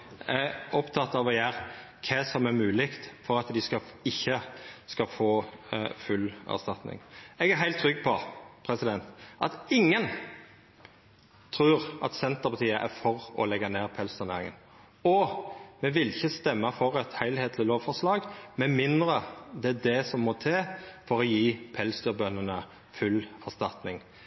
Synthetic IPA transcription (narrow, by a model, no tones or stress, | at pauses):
ɛɔpt̪ʰɑt̪ːɑʋɔjæːʁ | kʰɛsɔmæɾmʉːlɪkt̪fɔɾɑt̪d̪ɪskɑɪçːəskɑfoːfʉlæ̰ʁst̪ɑt̪nɪ̰ŋɛɡæɦæɪlt̪ʰːɾʏɡːpʰɔpʰɾɛsɪd̪ɛnt̪ʔɑt̪ɪŋːən | t̪ʰɾʉːʁʔɑ̰t̪sɛnt̪əʁpʰɑt̪ʰiːəʔæɾfɔɾɔ̰lɛɡɑneːʁpʰɛlst̪ʰʉneːɾɪŋə̰n | ɔmɛʋɪlɪçəst̪ɛmːəfɔʁɛt̪hæɪlheːt̪ʰlɪloːʋfɔʁslɑːɡmɛnmɪnd̪ɾəd̪ɛæd̪ɛsɔmːɔt̪ʰeːfɔɾɔjiːpʰɛlsd̪yːʁbœnːənə | fʉlæʁst̪ɑt̪nɪŋ